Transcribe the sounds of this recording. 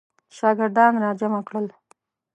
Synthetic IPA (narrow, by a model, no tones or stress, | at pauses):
ʃɑɡɪɾd̪ɑnɾɑd͡ʒamakɽəl